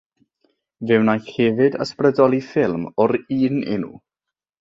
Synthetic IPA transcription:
vɪwnajɛvɪdə̰sprədɔlˠifɪlˠmɔɾiːnɪ̰nṵ

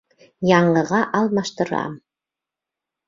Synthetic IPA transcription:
jɑɴəʁɑʔɑlˠmɑʃt̪əɾɑ̰ːm

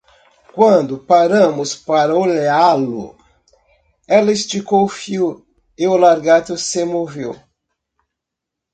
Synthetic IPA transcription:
kwɐ̃d̪ʊpaɾɐ̃mʊspaɾɐolealʊ̰ | ɛlɐist͡ʃikowfiw | eʊlaɾɡat̪ʊsemovew

